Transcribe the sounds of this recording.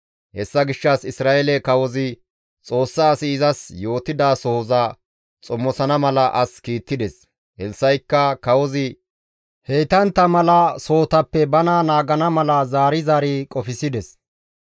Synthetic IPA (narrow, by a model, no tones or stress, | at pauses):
hɛsːɐɡɪʃːɐsɪsɾaːʔɛlɛkɐwɔzɪ | t͡sʼo̞ːsːaːsɪːzɐsjo̞ːt̪ɪd̪aːsoːzɐ | t͡sʼɔmːɔsɐnɐmɐlɐʔɐskiːt̪ːɪd̪ɛs | hɛlsɐjkːɐkɐwɔzɪ | hejt̪ɐnt̪ːɐmɐlɐso̞ːt̪ɐpːɛbɐnaːnaːɡɐnɐmɐlɐzaːɾɪzaːɾikʼɔfɪsɪd̪ɛs